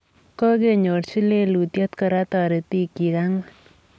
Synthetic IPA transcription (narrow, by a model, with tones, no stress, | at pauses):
kɔ˦ɡe˦˨ɲo˨ɾsi˦le˦lu˨t̪jɔ˦t̪kɔ˨ɾa˦t̪ɔ˨ɾe˨t̪i˦ki˨ɡa˦ŋ